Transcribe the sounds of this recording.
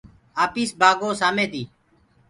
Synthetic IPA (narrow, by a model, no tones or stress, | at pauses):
aːpiːsbaːɡoːsaːmẽːd̪iː